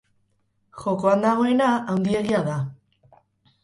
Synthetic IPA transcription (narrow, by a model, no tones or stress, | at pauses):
xo̞ko̞and̪aɣ̞o̞e̞naawnd̪ie̞ɣiaða